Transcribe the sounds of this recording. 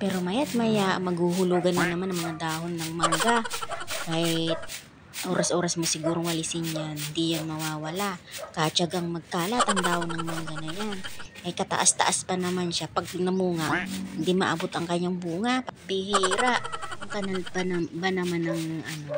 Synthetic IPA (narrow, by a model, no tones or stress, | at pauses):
pɛːɾo̞mɐjat̪̚mɐjamɐɡhuhʊluːɡɐnɐnɐmanʔɐŋmɐŋad̪aːhonːɐŋmɐŋɡakaːhɪt̪̚ | ʔo̞ːɾɐsʔo̞ːɾɐsmosɪɡuːɾoŋwɐlɪsɪnjanhɪnd̪ijanmɐwaːwɐlakat͡ʃaɡaŋmɐɡ̚kaːlaʔt̪ɐŋd̪aːhonɐŋmɐŋɡanɐjanʔɐjkɐt̪ɐ̰ʔast̪ɐ̰ʔaspɐnɐmanʃapɐɡ̚nɐmuːŋaʔhɪnd̪imɐʔɐbot̪ɐŋkɐɲjaŋbuːŋapɐɡ̚pɪhiːɾaʔɐŋkɐnalbanɐbanɐmanɐŋʔɐno̞